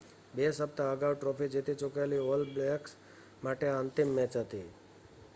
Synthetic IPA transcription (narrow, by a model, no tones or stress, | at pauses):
besəp̚t̪aəɡaʋʈɾɔfid͡ʒit̪it͡ʃʊkaeliolbleks | maʈeənt̪imːɛ̃t͡ʃɦət̪i